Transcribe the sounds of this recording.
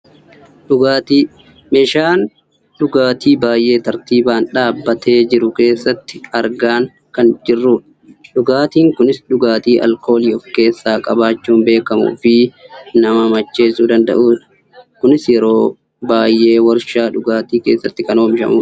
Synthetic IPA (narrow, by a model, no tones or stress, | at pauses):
ᶑʊɡaːt̪i | meːʃaːn | ɗʊɡaːt̪iːbaːjʔe̞ːt̪ɐɾt̪iːbaːnᶑaːbːɐt̪ʰe̞ːd͡ʒɪɾʊke̞ːsːɐt̪ːɪ̥ɐɾɡaːŋ | kɐnd͡ʒɪrːuːᶑɐ | ᶑʊɡaːt̪iːŋkʊnɪsᶑʊɡaːt̪iːʔɐ̰lko̞ːliɔfke̞ːsːaːkʼɐbaːt͡ʃːuːmbe̞ːkɐmṵːfɪnɐmɐmɐt͡ʃːe̞ːsuːd̪ɐnd̪ɐ̰ʔuːᶑ | kʊnɪsjɛɾo̞ː | baːjːʔe̞ːwɐɾʃaːᶑʊɡaːt̪iːke̞ːsːɐt̪ːɪkɐnoːmɪʃɐ̰muːᶑ